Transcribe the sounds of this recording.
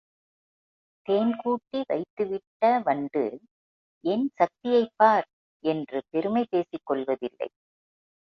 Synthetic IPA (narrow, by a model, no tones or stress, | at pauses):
t̪eːnkuːʈːiʋɐ̰ɪt̪ːɯʋɪʈːɐʋɐɳɖɯ̰ | ʔɛnsɐk̚t̪ɪjɐɪpːaːɾ | ʔɛndrɯp̪ɛɾɯmɐɪpeːsɪkːɔɭʋɐðɪlːɐ̰ɪ